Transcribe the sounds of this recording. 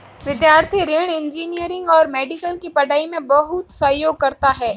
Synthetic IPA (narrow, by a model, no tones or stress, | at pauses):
ʋɪd̪jaːɾt̪ʰiɾɪɽ̃ɪ̃ɲd͡ʒiːnijəɾɪ̃ŋɡɔːɾmɛːɖɪkəlkipɐɖaːimẽbɐɦʊt̪sɐɦjoːɡ̚kɐɾt̪aɦɛː